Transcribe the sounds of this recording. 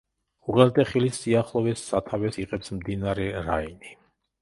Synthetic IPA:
uʁɛlt̪ʼɛχilisːiaχlˠɔvɛsːat̪ʰavɛsiqʼɛpsmd̪inaɾɛɾa̰ini

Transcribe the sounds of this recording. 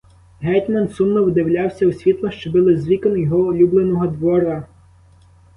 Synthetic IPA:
ɦɛt̪ʲmɐnsumnɔwd̪ɪwlʲawsʲɐwsʲʋʲit̪lˠɔʃt͡ʃɔbɪlˠɪzʲʋʲikɔnjɔɦɔːlʲublˠenɔɦɔd̪ʋɔɾɐ

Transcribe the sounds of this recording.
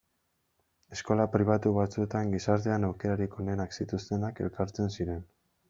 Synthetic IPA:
e̞sko̞lapɾiβ̞at̪uβat͡sue̞t̪aŋɡisaɾt̪e̞anawke̞ɾaɾiko̞ne̞naksit̪ust̪e̞nake̞̰lkaɾt͡se̞nsiɾe̞n

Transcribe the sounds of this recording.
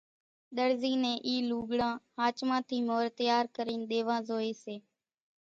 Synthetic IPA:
ɗ̪əɾziːnẽːʔiːluːɡɽãːhaːt͡ʃmãːt̪ʰiːmoːɾt̪jaːɾkəɾiːnɗ̪eːʋãːzoːeːseː

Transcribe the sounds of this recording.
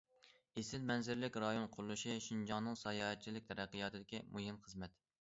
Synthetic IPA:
esɪlmɛnzɪɾlɪkʲɾɑjonqʰʊɾlˠɨʃiʃind͡ʒɑŋnɨŋsɑjɑːhɛt̪̚t͡ʃʰilɪk̚ʲt̪ʰɛɾæqːijɑt̪ʰɨd̪ɪkʲimʔujinχəzmɛt̪

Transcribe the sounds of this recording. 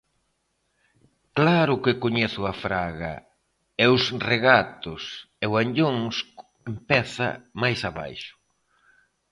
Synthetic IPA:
klaɾʊkɪkoɲɛθʊafɾaɣɐ̰ | ɛwsreɣat̪ʊs | ɛwaɲʎoŋsk | empɛθɐ̰majsaβa̰jʃʊ̥

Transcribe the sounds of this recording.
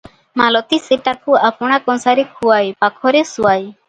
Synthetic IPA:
malɔt̪iseʈakuapɔɽ̃akɔnsaɾikʰuajpakʰɔɾesuwaj

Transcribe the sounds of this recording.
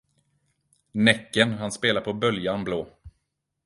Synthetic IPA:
nɛkːənɦanspeːlaɾpʰɔbœljanbloː

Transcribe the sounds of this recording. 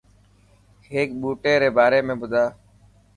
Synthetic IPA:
ɦeːk̚ɓuːʈeːɾeːbaːɾeːmẽːbʊd̪ʱaː

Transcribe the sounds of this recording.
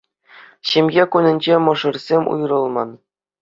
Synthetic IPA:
ɕemʲjʲekunʲɘ̆nʲd͡ʑemɤ̆ʐɤ̆rsʲemʲṵjrɤ̆lˠmɑn

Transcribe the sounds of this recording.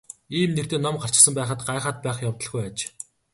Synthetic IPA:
iːmnekt̪eːnɔmɢar̥t͡ɕ̆sə̆mpæːχə̆t̪ɢaːχaːt̪̚pæːχjawt̪ə̆ɮɡujat͡ɕ

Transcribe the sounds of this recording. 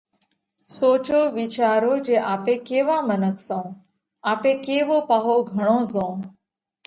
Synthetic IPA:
soːt͡ʃoːʋit͡ʃaːɾoːd͡ʒeːʔaːpeːkeːʋaːmənəksõː | aːpeːkeːʋoːpaːɦoːɡʱəɽ̃õːzõː

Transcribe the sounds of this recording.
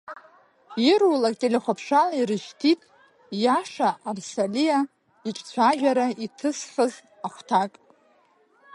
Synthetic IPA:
irulakʼtʼelʲeχʷapʰʂaliɾɨʃtʰitʼ | jaʂaʔːrsalija | it͡ʃʼt͡sʷʰaʒʲᶣaɾaitʰɨsχʲəz | aχʷtʰakʼ

